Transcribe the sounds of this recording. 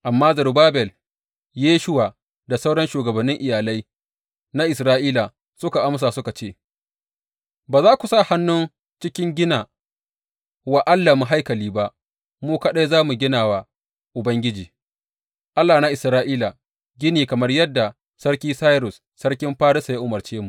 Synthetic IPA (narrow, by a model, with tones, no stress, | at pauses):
ʔa˨mːaː˦zɐ˨rbaː˦bɛ˨l | jeː˦ʃʊ˦waː˨ | da˨sa˦wɽɐ˦nʃuː˨ɡɐ˨bɐ˨nːɪ˦ŋʔɪ˨jaː˨la˦j | na˦ʔɪ˨sɾaː˦ʔiː˦la˨ | sʊ˦ka˨ʔa˦ms̬aː˨sʊ˦ka˨t͡ʃeː˦˨ | baː˨zaː˦kʷu˨sa˦˨ha˦nːʊ˦n | t͡ʃɪ˦kʲɪ˦ŋɡʲɪ˦naː˨ | wa˨ʔa˦lːa˨mʊ˨ɦa˦jkɐ˨liː˦ba˦ʔ | muː˦ka˦ɗa˦jzaː˦mu˨ɡʲɪ˦naː˨waː˨ | ʔʊ˨bɐ˦ŋɡʲɪ˦d͡ʒiː˨ | ʔa˦lːaː˨na˦ʔɪ˨sɾaː˦ʔiː˦la˨ | ɡʲɪ˦niː˨kɐ˨mɐ˦rjɐ˦dːa˨ | sɐ˦ɾkʲiː˦saː˦jɾʊ˨s | sɐ˦ɽkʲɪ˦mɸaː˦ɽɪ˦sa˨ja˦ʔʊ˨mɐ˨rt͡ʃeː˦mu˨